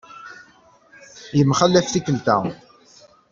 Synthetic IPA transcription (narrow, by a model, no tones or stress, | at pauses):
jəmχəlːæfθikːəlt̪æ̰